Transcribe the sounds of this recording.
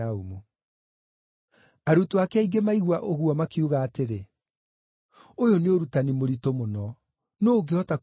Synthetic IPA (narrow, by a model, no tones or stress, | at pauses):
aumu | aɾutoakɛaiɡemaiɣwaʔoɣuɔmakiuɣaːteɾe | ojoneoɾutanimoɾitomonɔ | noːɡeɔta